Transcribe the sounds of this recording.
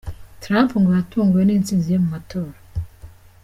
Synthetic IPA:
tɾampuŋɡojatʰuːŋɡujeniːnt͡sinzijemumatʰoːɾa

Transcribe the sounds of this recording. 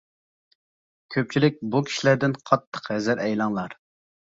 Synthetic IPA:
kʲʰøp̚t͡ʃʰilɪk̚ʲbukʲʰi̥ʃilæɾd̪ɪnqʰɑt̪ʰːə̥qhɛzɪɾɛjlˠɑŋlˠɑɾ

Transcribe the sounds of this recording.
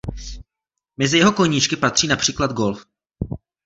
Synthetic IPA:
mɛzɪjɛɦo̞ko̞ɲɪt͡ʃkɪpat̪r̝̥iːnapr̥iːklad̪̚ɡo̞lf

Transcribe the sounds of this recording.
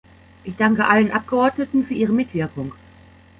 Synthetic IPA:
ʔɪçd̥aŋkəʔalənʔap̚ɡ̥əɔɐtnətn̩fyːɐʔiːʁəmɪtv̥ɪɐkʊŋ

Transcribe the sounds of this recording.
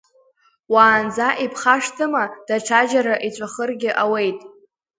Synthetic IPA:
waːnd͡zaʔipʰχaʂtʰɨmad̥aʈ͡ʂʰad͡ʒaɾaʔit͡ɕʷʼaχərɡʲɪʔawe̞jtʼ

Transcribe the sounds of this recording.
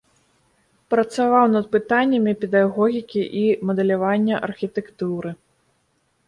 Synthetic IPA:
pɾɐt̪savawnɐd̪̚pɨt̪anʲːɐmʲipʲɛd̪aɣɔɣʲikʲiʔimɐd̪ɛlʲavanʲːɐʔɐ̰rxʲit̪ɛkt̪uɾɨ

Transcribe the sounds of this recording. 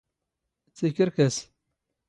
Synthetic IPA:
t͡sːikəɾkæs

